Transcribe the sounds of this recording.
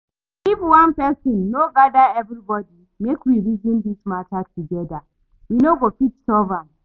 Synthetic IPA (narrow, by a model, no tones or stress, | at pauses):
ifwãnpɛsɔ̃nːoɡadaɛvɾibɔdi | mekwiɹizĩndismatatʰːuɡɛda | winoɡofitsɔvãm